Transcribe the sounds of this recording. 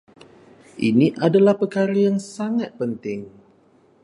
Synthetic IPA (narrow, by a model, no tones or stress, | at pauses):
ʔḭniʔadalahpərkaɾijansaŋat̪̚pənt̪ɪŋ